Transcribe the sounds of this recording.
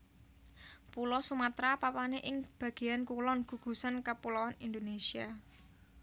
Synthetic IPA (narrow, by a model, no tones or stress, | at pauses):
pulɔsumat̪ɾapapaneʔɪŋb̥ä̤ɡ̥e̤jankulɔnɡ̥ṳɡ̥ṳsankəpulɔwanind̪onesia